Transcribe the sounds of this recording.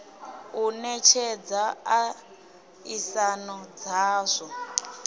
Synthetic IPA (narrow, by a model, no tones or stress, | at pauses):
unɛt͡ʃʰɛd͡zaa | isanɔd͡zaːzʷɔ